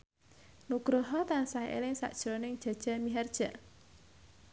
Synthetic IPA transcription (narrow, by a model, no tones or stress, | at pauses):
nuɡ̥ɾoɦɔt̪ansaiʔḛlɪŋsa̰ʔd̥ʒ̥ɾonɪŋd̥ʒ̥a̤d̥ʒ̥a̤miɦɛrd̥ʒ̥a̤